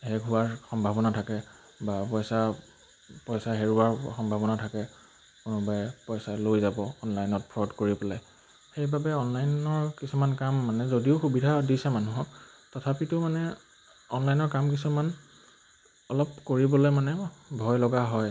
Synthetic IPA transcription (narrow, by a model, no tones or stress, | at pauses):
hɛɡʱuwaɹxɔmbʱabɔnatʰakɛ | bapɔjsa | pɔjsaɦeɹuaɹxɔmbʱabɔnatʰakɛ | kʊnʊbajɛpɔjsalojzabɔːnlajnɔt̚pʰɹɔdkoɹipɔla | xejbabɛɔnlajnɔɹkisumankamːanɛzodiʊxubidʱadisɛmanuɦɔk | tɔtʰapitʊmanɛ | ɔnlajnɔɹkamk̬isuman | ɔlɔpkoɹibɔlojmanɛbʱɔjlɔɡaɦɔj